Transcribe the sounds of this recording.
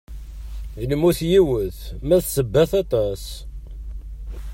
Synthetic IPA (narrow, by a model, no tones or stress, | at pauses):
ənəmuθjiwəθmæθsəbːæθɑt̪ˤɑs